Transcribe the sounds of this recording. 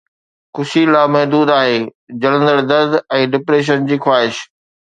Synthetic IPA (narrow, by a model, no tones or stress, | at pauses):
kʊʃilaːmɐɦd̪uːd̪aːɦeː | d͡ʑɐlə̃nd̪əɽd̪ɐɾd̪ɛ̃ːɖɪpɾeːʃ̬ənd͡ʑiːxwaːɦɪʃ